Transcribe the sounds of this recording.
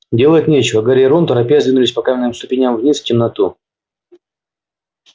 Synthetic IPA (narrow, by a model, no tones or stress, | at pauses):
dʲe̞lˠətʲnʲet͡ɕɪvəɡaɾʲeɾont̪əɾɐpʲijazvʲinʊlʲɪsʲpɐkamʲɪnːɨmst̪ʊpʲɪnʲamvnʲistʲɪmnɐt̪u